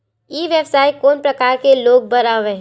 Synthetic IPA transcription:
iːʋjəbsaːikoːnpɾɐkaːɾkeloːɡ̚bɐɾaːʋẽ

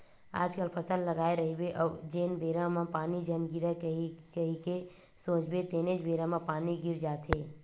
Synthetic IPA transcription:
a̰ːd͡ʒkəlpʰəsəlːəɡaːeɾəɦibeʔɔːd͡ʒeːnbeːɾamapaːnid͡ʒənɡɪɾəkəkəɦike | sõːt͡ʃbet̪ened͡ʒbeːɾamapaːniɡɪɾd͡ʒaːt̪ʰɦeː

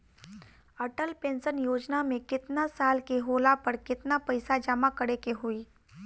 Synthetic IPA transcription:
əʈəlpẽnsənjoːd͡ʒnamẽkɪt̪nasaːlkeɦolapəɽkɪt̪napəjsad͡ʒamakəɽekeɦuiː

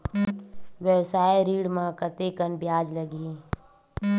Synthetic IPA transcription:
ʋjəwsaːeɾiːɽmãkət̪ekənbjaːd͡ʒləɡiː

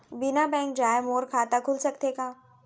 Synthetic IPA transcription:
bɪnabɛ̃ːŋk̚d͡ʒaːjmoːɾkʰaːt̪akʰʊlsɐkt̪eːkaː

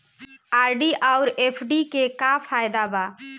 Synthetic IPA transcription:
aɾɖiʔaʊɾepʰɖikekapʰaːɪd̪aba

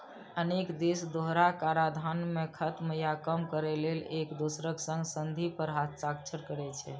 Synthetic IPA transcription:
ənekd̪esd̪oɦɾakaɾad̪ʱanmẽkʰət̪məjakəmkəɾɛlelekd̪usɾəksə̃ŋɡsənd̪ʱipəɾɦat̪̚t͡ʃakt͡ʃʰəɾkəɾɛt͡ʃʰɛ̰

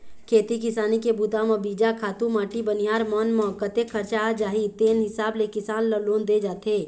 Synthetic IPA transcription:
kʰeːt̪ikɪsaːnikebuːt̪ãmɐbiːd͡ʒakʰaːt̪ũmaːʈibənijaːɾmɔːnmɔɦəkːət̪ekʰɐɾt͡ʃad͡ʒaːɦit̪eːnɦɪsaːblekɪsaːnləloːnd̪ed͡ʒaːt̪eː

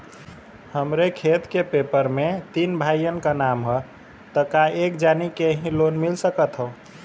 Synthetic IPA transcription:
həmɾekʰet̪kepepəɾmet̪inbʱajjənkanamɦə | t̪əkaekd͡ʒanikeɦĩlonmilsəkət̪ɦəʊ

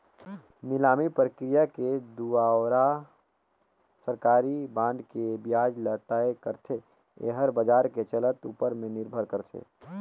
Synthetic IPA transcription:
nɪlaːmipɾəkɾijaked̪uaːɾa | səɾkaːɾibãːnɖkebjaːd͡ʒlət̪aːekəɾt̪ʰe | ḛɦəɾbəd͡ʒaːɾket͡ʃələt̪ṵːpəɾmẽnɪɾbʱəɾkəɾt̪ʰḛː

